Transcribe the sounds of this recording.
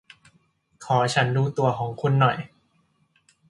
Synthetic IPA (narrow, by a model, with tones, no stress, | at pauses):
kʰɔː˩˦t͡ɕʰa˦˥nduː˧˩t̪u˧ɐkʰɔː˩˦ŋkʰo˧nːɔ˨˩j